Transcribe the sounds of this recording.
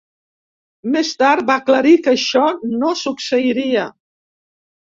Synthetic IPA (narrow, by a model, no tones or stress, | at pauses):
mest̪aɾt̪̚bakləɾikəʃɔnosuksəiɾiə